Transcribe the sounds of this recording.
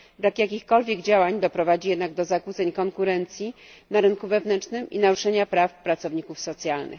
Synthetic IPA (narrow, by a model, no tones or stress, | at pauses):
bɾakjakʲixkɔlvʲjɛɡd͡ʑawaɲd̪ɔpɾɔvad͡ʑijɛd̪naɡd̪ɔzakut̪sɛɲkɔŋkuɾɛnt̪sʲji | naɾɘnkuvɛvnɛnt͡ʂnɘmḭnaɾuʂɛɲapɾafpɾat̪sɔvɲikufsɔt̪sʲjalnʔɘ̰x